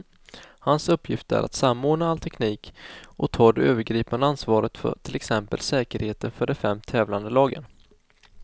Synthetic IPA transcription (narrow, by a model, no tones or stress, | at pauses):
hansɵpʰːjɪft̪əæ̰ɾʔa̰t̪samːoːɳaalt̪ʰɛkʰniːkʔɔt̪ʰɑːd̪ɛøːvəɾɡɾiːpand̪əansvɑːɾət̪fœ̰ʈ̪ʰɪlɛksɛmpəlsɛːkəɾheːt̪ənfœɖɛfɛmːt̪ʰɛːvland̪əlɑːɡə̰n